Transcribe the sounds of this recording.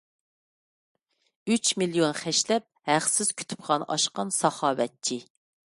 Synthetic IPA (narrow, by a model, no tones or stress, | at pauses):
yt͡ʃmilˠijonχɛʃlɛp̚hæχsɪz̥kʲʰy̥t̪ʰy̥pχʰɑnʔɑ̰ʃqɑnsɑχɑːwɛt̪̚t͡ʃʰi